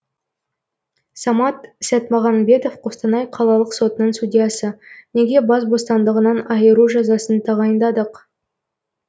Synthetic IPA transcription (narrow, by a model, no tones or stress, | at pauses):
sɑmɑt̪sæt̪mɑʁɑnbʲe̞t̪o̞fqʰost̪ənɑjqʰɑlˠɑlˠəqso̞t̪ənəɴst̪udʲijɑsəne̞ɡʲe̞bɑsbo̞st̪ɑnd̪əʁənɑnɑjəɾuʒɑzɑsənt̪ʰɑʁɑjənd̪ɑd̪əq